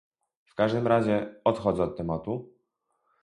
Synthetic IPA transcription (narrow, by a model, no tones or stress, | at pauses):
fkaʐd̪ɘmɾaʑɛɔt̪xɔd̪zɛɔt̪̚t̪ːɛmat̪u